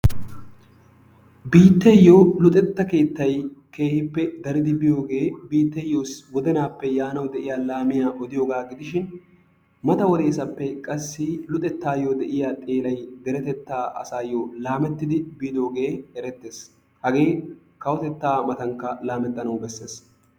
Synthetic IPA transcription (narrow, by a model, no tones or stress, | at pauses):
biːt̪ːɛjːolʊt̪ʼɛt̪ːɐke̞ːt̪ːɐjke̞ːhɪpːɛd̪ɐɾɪd̪ɪbɪjo̞ːɡe̞ːbiːt̪ːɛjːoːswɔd̪ɛnaːpːɛjaːnɐwd̪ɛʔɪjaːlaːmɪjaːʔɔd̪ɪjo̞ːɡaːɡɪd̪ɪʃɪn | mɐt̪ɐwɔd̪e̞ːsɐpːɛkʼɐsːɪlʊt̪ʼɛt̪ːaːjoːd̪ɛʔɪjaːt̪ʼe̞ːlɐjd̪ɛɾɛt̪ɛt̪ːaːɐ̰saːjːoːlaːmɛt̪ːɪd̪ɪbid̪o̞ːɡe̞ːhɛɾɛt̪ːeːs | hɐɡe̞ː | kɐwɔt̪ɛt̪ːaːmɐt̪ɐŋkːɐlaːmɛt̪ːɐnɐwbɛsːe̞ːs